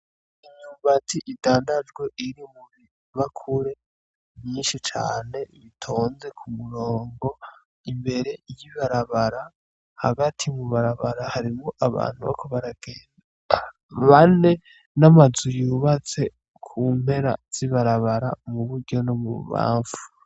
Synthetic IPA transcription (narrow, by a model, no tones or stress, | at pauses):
iɲumbatʰiʔidaːndad͡ʒɡwe̞ʔiɾimuβi | βakʰuɾe̞ | βjiːnʃit͡ʃa̰ːne̞βitʰo̞ːnze̞kʰumuɾo̞ːŋɡo̞ | imbe̞ɾe̞jiβaɾaβaɾa | ha̰ɡatʰimuβaɾaβaɾahaɾimoʔaβa̰ːn̥huβa̰koβaɾaɡ̥eːnda | βane̞ | namazujuːβat͡se̞ | kʰuːm̥he̞ɾa̰z̥iβaɾaβaɾamuβuɾɟo̞nomṵβa̰ːɱfu̥